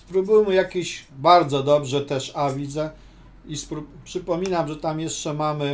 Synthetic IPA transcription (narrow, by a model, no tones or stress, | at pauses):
spɾubuwmjakʲiɕbaɾd̪zɔd̪ɔbʐɛt̪ɛʂavʲid̪zɛ | ispɾupʂɘpɔmʲinamʐɛt̪amjɛʂt͡ʂɛmamɘ